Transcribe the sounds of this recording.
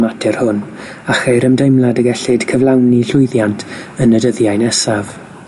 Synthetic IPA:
matʰɪrhʊn | aχejɾəmdejmlˠadəɡɛɬɪd̥kʰəvlˠawniɬʊɨðjantʰənədəðjajnɛsav̥

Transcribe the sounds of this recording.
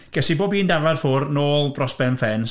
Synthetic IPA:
ɡ̥ɛsiboːbiːndavarfʊrnoːlˠdrɔsb̥ɛnfɛn

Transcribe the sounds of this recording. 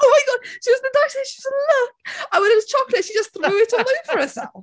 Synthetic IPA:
oʊmaɪɡɔd̚ʃiwʌzðədasɪ̃ʃiwʌzəlʊkaɪwɨ̃ɾɨ̃nət͡ʃʰɒklɨtʃid͡ʒʌsθɹʉɪɾn̩ə̃fə˞əsɛlˠ

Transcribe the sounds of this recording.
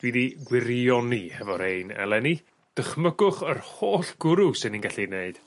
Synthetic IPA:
d̥widiɡwɪɾiɔnihɛvɔɾeɨnɛ̰lˠɛni | d̥əχməɡʊχərhoːɬɡ̥ʊɾʊsɪninɡaɬineɨd̥

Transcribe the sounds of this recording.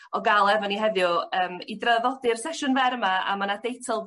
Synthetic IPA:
ɔɡalˠɛvɔniɦɛðjʊəːmidrəðɔdɨrsɛʃʊnvɛɾəmaa̰manad̥ejtʰɔlˠ

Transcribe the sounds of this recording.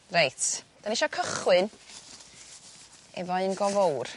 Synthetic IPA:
rejtʰd̥aniʃɔkʰəχwɨn | ɛ̰vɔɨnɡɔvowr

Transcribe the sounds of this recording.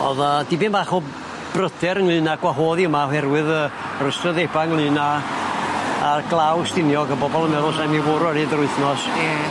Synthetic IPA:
ɔ̰ðad̥ibɨːnmbaχɔ | b̥rədɛɾəŋlˠɨːnaɡ̥waɦoːðiəmahɛrwɨðə | rəstrəðebaŋlˠɨːna | rɡlˠawstɪnjɔɡəbɔbɔlˠəmɛɾʊsamivʊɾɛɾidəɾʊɨθnɔs

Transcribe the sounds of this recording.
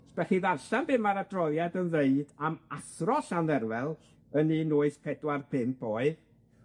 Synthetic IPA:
sb̥ɛhiðarɬanbɨmaɾadrɔðˠjadənðeɨdamaθrɔɬanðɛrwɛlˠ | əninʊːɨspʰɛdwarpʰɪmb̥ɔːɨð

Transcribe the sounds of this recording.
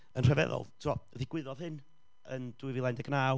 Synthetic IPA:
ənr̥ɛvɛ̰ðɔ̰lˠtʰɪɔəðɪɡ̥wɪðɔðhɨn | ənd̥uɨvilˠajndɛɡnaːw

